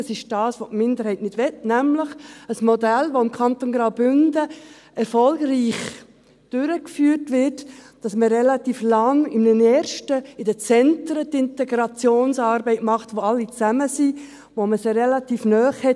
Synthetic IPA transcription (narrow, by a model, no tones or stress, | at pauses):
ɑsɪʃd̥ɑːsʋotmɪndəɾhɛɪtnɪd̥ʋɛtnæmləχəsmɔdælʋoɪmkʰɑntonɡɾaʊbʏndə | ɛɾfɔlɡriːχ | d̥ʏɾəkfyːrtʋɪɾt | d̥ɑsməɾɛlɑt̪iːflɑŋɪmnənɛːɾʃtəɪdət͡sɛntɾətɪntɛɡɾɑt͡sjoːnsɑːɾbɛɪtmɑχtʋoɑlːit͡sæməsi | ʋoməsɾɛlɑtiːfnœːχhɛt